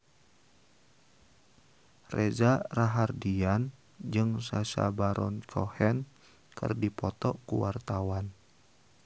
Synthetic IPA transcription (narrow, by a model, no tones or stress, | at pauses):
rezaraɦardian | d͡ʒɨŋsasa̰baɾɔnkʰɔhɛn | kɨ̰rdipɔt̪ɔkuwart̪awan